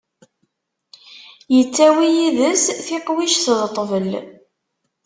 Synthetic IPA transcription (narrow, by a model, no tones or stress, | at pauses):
jət͡sːæwijiðəsθiqwiʃθðt̪ˤːvəl